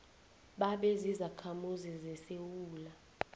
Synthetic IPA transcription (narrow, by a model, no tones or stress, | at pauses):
ɓaɓɛzizakʰamuzizɛsewuːla